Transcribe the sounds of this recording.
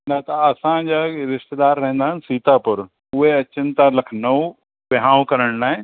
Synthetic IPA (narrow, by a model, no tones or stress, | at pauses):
nɐt̪ɐɐsãd͡ʑaɾɪʃt̪ed̪aːɾːɐɦə̃nd̪aːɦəɪn̆siːt̪apʊɾ | ʊɦeɐt͡ɕənt̪ãlɐkʰnɐu | bɪɦãːʋũkɐɾəɽ̃naːɦẽ